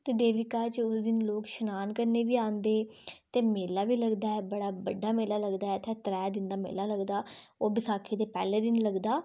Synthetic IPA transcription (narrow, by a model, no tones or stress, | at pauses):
t̪eːd̪eːʋɪkaːt͡ʃʊsd̪ɪnloːkʃənaːnkəɾneːʋiːãːnd̪eːt̪eːmeːlaːʋiːləɡd̪aːɛːbəɽaːbəɖːaːmeːlaːləɡd̪aːɛːt̪ʰɛ̃ːt̪əɾɛːd̪ɪ̃nd̪aːmḛːlaːləɡd̪aː | oːbɪsaːkʰeːd̪eːpɛ̰ːleːd̪ɪnləɡd̪aː